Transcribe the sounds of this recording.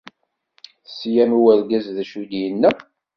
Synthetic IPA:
θsjæmuwæɾɡæzðæʃud̪jənːæ

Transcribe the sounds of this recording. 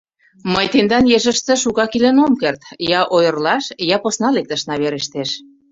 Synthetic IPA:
məjt̪end̪ɑnjeʒə̆ʃt̪ə̆ʃukɑkilenomkert̪jɑʔojə̆rlɑʃjɑposnɑlek̚t̪ə̆ʃnɑβeɾeʃt̪eʃ

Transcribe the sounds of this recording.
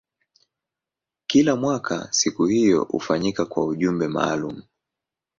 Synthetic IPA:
kilamwakʰa̰sikuhijɔ̰ṵfaɲikakwauʄumbɛma̰ːlum̩

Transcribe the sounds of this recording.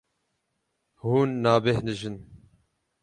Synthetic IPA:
huːnːaːbehnɨʒɨn

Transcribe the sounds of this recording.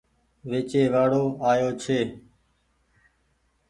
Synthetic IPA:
ʋeːt͡ʃeːʋaːɽoːaːjoːt͡ʃʰeː

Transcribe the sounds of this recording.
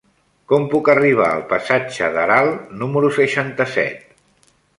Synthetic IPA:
kɔmpukəriβ̞a̰əlˠpəsad͡ʒəðəɾalˠnuməɾusəʃant̪əsɛ̰t̪̚

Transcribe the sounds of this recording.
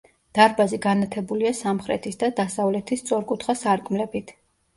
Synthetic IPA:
d̪̥aɾbaziɡanat̪ʰɛbuliasamχɾɛ̰t̪ʰisd̪ad̪asavlɛt̪ʰist̪sʼɔɾkʼut̪ʰχasaɾkʼmlɛbit̪ʰ

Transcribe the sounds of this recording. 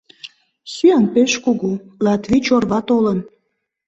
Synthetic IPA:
syɑnpeʃkuɣulɑt̪vʲit͡ɕorβɑt̪olən

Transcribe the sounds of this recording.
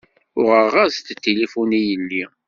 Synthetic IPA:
ʊʁəʁazt̪t̪ːelifunijəlːi

